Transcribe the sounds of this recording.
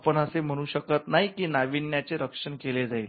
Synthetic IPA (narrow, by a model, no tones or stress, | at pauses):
pəɳəsem̤əɽ̃uːɕəkət̪naɦikiːnaʋiɳjat͡seɾəkʂəɳkeled͡zaiːl